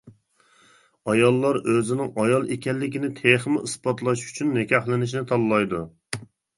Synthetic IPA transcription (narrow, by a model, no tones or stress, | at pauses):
ɑjɑlˠːɑɾøzɪnɪŋɑjɑlˠekʲɛlːɪkʲinɪt̪ʰeχmɪʔɨsbɑt̪lˠɑʃy̥t͡ʃʰynːɪkʲʰɑχlˠɪnɪʃ̬nɪt̪ʰɑlˠːɑjd̪u